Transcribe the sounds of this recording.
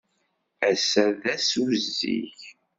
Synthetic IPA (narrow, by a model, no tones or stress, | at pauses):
æsæðæsuzḭç